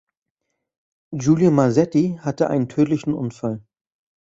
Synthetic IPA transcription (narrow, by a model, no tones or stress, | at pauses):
d͡ʒuːljomazɛtihatəʔa̰ɪnəntʰøːtlɪçn̩ʔʊ̰nfal